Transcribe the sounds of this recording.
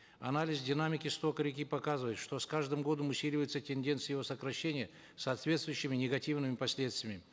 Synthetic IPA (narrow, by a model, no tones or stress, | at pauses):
ɐ̰nalʲɪzdʲɪnamʲɪkʲɪst̪o̞kəɾʲɪkʲipɐkazɨvəjɪt̪ʂt̪o̞skaʐd̪ɨmɡo̞d̪əmʊsʲilʲɪvəjɪt̪sətʲɪnʲdʲent̪sɨjɪvo̞səkɾɐɕːenʲɪjə | sɐːt̪vʲet̪st̪vʊjʊɕːɪmʲɪnʲɪɡɐtʲivnɨmʲɪpɐsʲlʲe̞t̪st̪vʲɪmʲɪ